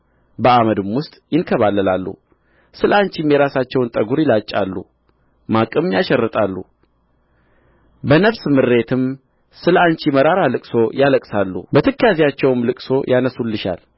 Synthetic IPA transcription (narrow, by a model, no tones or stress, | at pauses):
bəaməd̪ɨmwʊst̪ʼjɪnkʰəβalːəlalːṵ | sɨlaɲt͡ʃimjɛɾasat͡ʃːɛwnt̪ʼəɡuɾjɪlat͡ʃʼːa̰lːṵ | makʼɨmjaʃɛrːɨt̪ʼalːṵ | bənəβsmɨɾːe̞t̪ʰɨm | sɨlaɲt͡ʃiməɾaɾalɨkʼso̞jaləkʼsalːṵbət̪ʰɨkːjazijat͡ʃːɛwmlɨkʼso̞jʔanəsulːɨʃa̰l